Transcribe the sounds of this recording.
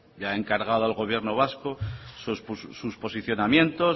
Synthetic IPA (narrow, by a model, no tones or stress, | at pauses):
jaeŋkaɾɣaðoalɣo̞β̞jeɾno̞β̞askosospːuspo̞siθjo̞namjẽ̞nt̪o̞